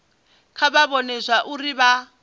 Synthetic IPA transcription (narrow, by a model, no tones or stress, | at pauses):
kʰabaβɔnɛzʷaʔuriβa